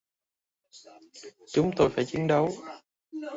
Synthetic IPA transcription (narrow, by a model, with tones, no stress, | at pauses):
t͡ɕʊ˨˦ŋ͡mt̪o˧jfaː˧˩jt͡ɕi˨˦ənɗə˨˦w